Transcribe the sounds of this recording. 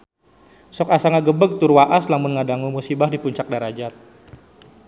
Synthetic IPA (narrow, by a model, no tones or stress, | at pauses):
sɔkasaŋaɡəbəɡ̚t̪urwaʔaslamʊnŋadaŋumusibahdipuɲt͡ʃak̚daɾad͡ʒat̪̚